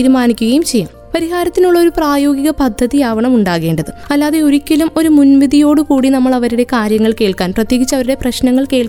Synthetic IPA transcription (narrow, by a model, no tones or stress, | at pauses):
iːɾumaːnikʲːuɣɐjumt͡ɕe̞jaːmpɐɾiɦaːɾɐt̪ːinuɭːɐo̞ɾupraːjo̞ːɡiɣɐpɐd̪ʱːɐðijaːʋɐɳɐmuɳɖaːɣe̞ːɳɖɐðɨɐlːaːðe̞oɾukʲːɐlumo̞ɾumunʋiðʱijo̞ːɽɨkuːɽinɐmːɐɭɐʋɐɾiɽe̞kaːɾjɐŋːɐɭke̞ːɭkaːnprɐt̪jeːɡit͡ɕːɐʋɐɾuɽe̞prɐɕnɐŋːɐɭke̞ːɭk